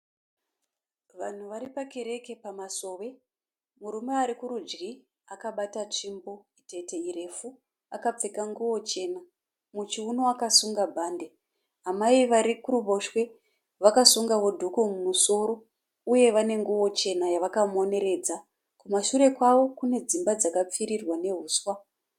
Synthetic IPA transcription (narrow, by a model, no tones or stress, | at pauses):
ʋan̤uʋaɾipake̞ɾe̞ke̞pamaso̞ːʋe̞ | muɾume̞aɾikuɾud͡ʒɡi | akaɓatat͡ʂimbo̞ite̞te̞irefu | akap͡fekaŋɡuwo̞t͡ʃe̞na | mut͡ʃiunoakasuŋɡabʱaːnde̞ | ɦamaiʋaɾikurubʱo̞ʃwe̞ | ʋakasuŋɡawo̞dʱukomumuso̞ɾo̞ | uje̞ʋane̞ŋɡuwo̞t͡ʃe̞najaʋakamo̞ne̞ɾe̞ːd͡za | kumaʃuɾe̞kwaʋo̞kune̞d͡zimbad͡zakap͡fiɾirwane̞ɦuːswa